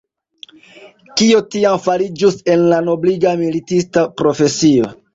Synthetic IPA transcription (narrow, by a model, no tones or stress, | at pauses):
kiotiamfaɾid͡ʒuse̞nlano̞bliɡamilitistapɾo̞fe̞sio̞